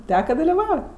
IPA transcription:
ˈtʲæːkɐ dɐlʲɪˈʋɐʊ

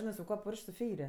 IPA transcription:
ˈʒʲɪnɜ sʊ ˈkuɔ ˈpʊrʲʃʲkʲ sʊ ˈfʲɛɪrʲɪ

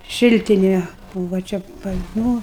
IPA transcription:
ˈʃʲɪlʲtʲɪnʲeː ˈbuːʋɐ ˈt͡ʃʲɛ pɐt nʊ

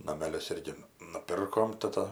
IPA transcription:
nɐmʲɛˈlʲʊs ˈɪrʲɡʲɪ nʊˈpʲɪrkoːm tɐˈtɐ

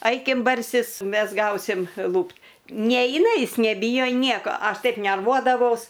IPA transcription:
ˈɐɪkʲɪm bɐrʲˈsʲɪs ˈmʲɛs ˈɡɐʊsʲɪm ˈlˠuːpt ˈnʲɛɪnɐ ˈjɪs nʲɛˈbʲiːjoː ˈnʲiɛkoː ˈɐʃ ˈtɐɪp nʲɛrˈʋuɔdɐʋɐʊs

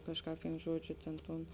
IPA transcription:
ˈkɑːʃˌkɑːp ʋʲɪn ˈʒuɔd͡ʒʲʊ ˈtʲeːn ˈtuːn

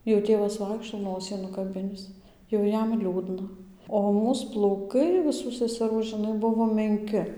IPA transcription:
jɛʊ ˈtʲeːʋɐs ˈʋɐɪkʃtoː ˈnoːsʲiː nʊkɐˈbʲɪnʲɪs jɛʊ ˈjɛm ˈlʲuːdnɐ oː ˈmuːs plˠɐʊˈkɐɪ ʋʲɪˈsuː sʲɛsʲɛˈruː ʒʲɪˈnɐɪ ˈbʊʋoː mʲɛŋʲˈkʲɪ

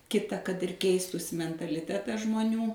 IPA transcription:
ˈkʲɪtɐ kɐt ɪr ˈkʲɛɪstuːsʲɪ mʲɛntɐlʲɪˈtʲæːtɐs ʒmoːˈnʲuː

